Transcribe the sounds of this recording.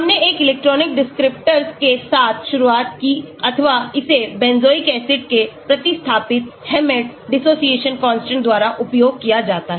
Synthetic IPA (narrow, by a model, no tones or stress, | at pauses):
ɦɐmneeːkɪlɛːk̚ʈɾɔːnɪk̚ɖɪskɾɪp̚ʈəɾskesaːt̪ʰʃʊɾuaːt̪kiɐt̪ʰəʋaɪsebɛ̃ːnzoːikɛːsɪʈkepɾɐt̪ɪst̪ʰaːpɪt̪hɛːmeːʈɖɪsoːsieːʃənkɔ̃ːnsʈə̃ɳd̪waːɾaʔʊpjoːɡ̚kijad͡ʒaːt̪aɦɛ